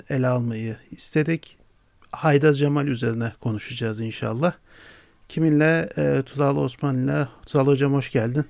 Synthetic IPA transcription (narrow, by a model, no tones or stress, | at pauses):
elʲɛalˠmajɯist̪ʰe̞d̪ic | hajd̪azd͡ʒamalʲyze̞ɾinɛkʰo̞nuʃad͡ʒaːzinʃa̰lˠːah | cʰiminlʲɛt̪ʰuzalˠosmanlʲat̪ʰualˠɯd͡ʒamho̞ʃɟælʲd̪in